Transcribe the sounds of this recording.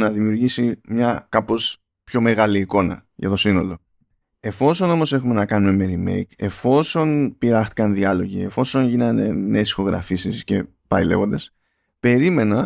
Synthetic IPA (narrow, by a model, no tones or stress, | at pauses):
nɐðimiuɾʝisimɲɐkɐpo̞s | pço̞me̞ɣɐliːko̞nɐ̰ʝɐ̰t̪o̞sino̞lo̞ | e̞fo̞so̞no̞mo̞sexume̞nɐkɐnume̞me̞ɾime̞̰jke̞fo̞so̞npiɾɐxt̪i̥kɐnðiɐlo̞ʝḭe̞fo̞so̞nʝinɐnene̞ːsi̥xo̞ɣɾɐ̰fisisce̞ | pɐile̞̰vo̞nd̪es | pe̞ɾime̞nɐ